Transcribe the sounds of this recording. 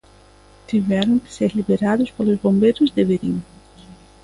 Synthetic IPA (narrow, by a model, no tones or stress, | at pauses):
t̪iβɛɾoŋke̥seɾliβeɾaðuspolozβombeɾuzd̪eβeɾiŋ